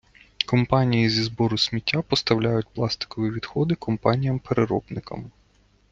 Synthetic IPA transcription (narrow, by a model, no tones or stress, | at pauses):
kɔmpɑnʲijizʲizbɔɾʊsʲmʲitʲːapɔst̪ɐwlʲajʊt̚ʲplˠɑst̪ɪ̥kɔʋʲiʋʲid̪xɔd̪ɪkɔmpɑnʲijɐmpeɾeɾɔ̰bnɪkɐ̰m